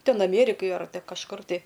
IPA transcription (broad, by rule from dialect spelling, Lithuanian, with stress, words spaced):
ˈtʲɛn ɐˈmʲeːrʲɪkɐj ɐr kɐʃˈkʊr tɐɪ